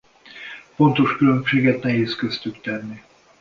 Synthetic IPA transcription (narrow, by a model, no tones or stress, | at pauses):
fo̞nt̪o̞ʃkylø̞mʃeːɡɛt̪nɛɦeːskøst̪ykt̪ɛnːi